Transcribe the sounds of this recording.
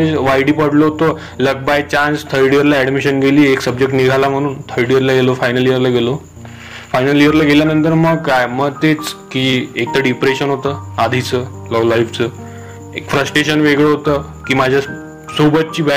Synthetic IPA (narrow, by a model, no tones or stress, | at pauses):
eʋajɽiːpəɽloɦot̪o | ləɡ̚bajt͡ɕanst̪ʰəɾɖijəɾlaɛɽmiɕənɡʱeliːeksəb̚d͡ʑek̚ʈniɡʱalam̤əɽ̃uːnt̪ʰəɾɽiəɾlaɡelofajnəlijəɾlaɡelo | fajnəlijəɾlaɡʱeljanənt̪əɾməɡkajməɡt̪et͡skiːek̚t̪əɖipɾeɕənɦot̪əːad̪ʱit͡sə | ləlajpt͡sə | ekfɾəsʈɾeɕənʋeɡɭəɦot̪əː | kiːmad͡ʑʱja | subət̪̚t͡ɕiːbɛ